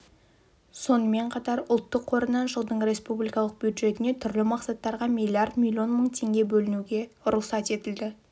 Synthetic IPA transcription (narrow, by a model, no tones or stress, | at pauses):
so̞nəme̞ɴqʰɑt̪ɑɾʊlˠt̪ːəqʰːo̞ɾənɑnʒəlˠd̪əɴɾe̞spublijkɑlˠəq̚bjud̪ʒe̞t̪ɪne̞t̪ʰʏɾlɪmɑqsɑt̪ːɑɾʁɑmilʲˠiart̪mʲilʲio̞nməɴt̪ʰe̞ŋɡʲe̞bɵlɪnuɡʲe̞ʊɾʊqsɑt̪e̞t̪ɪld̪ɪ